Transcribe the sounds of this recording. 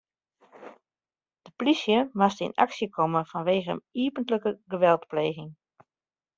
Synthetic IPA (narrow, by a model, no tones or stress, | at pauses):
d̥əplisjəmastəḭna̰ksjəkʰɔməfanʋeːɣəə̰niəpəntləkəɡəʋɛlˠtpleːɣɪŋ